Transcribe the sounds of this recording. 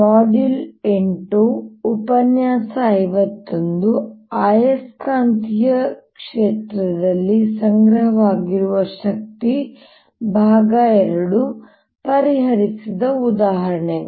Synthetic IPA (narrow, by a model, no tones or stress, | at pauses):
maːɖileɳʈoupɐnjaːsɐːjʋɐt̪ːond̪uaːjɐskaːnt̪ijɐkʂeːt̪ɾɐd̪ɐlːisɐŋɡɾɐɦɐʋaːɡiɾuʋɐʃɐk̚t̪i | bʱaːɡɐɛɾɐɽu | pɐɾiɦɐɾisid̪ɐud̪aːɦɐɾɐɳe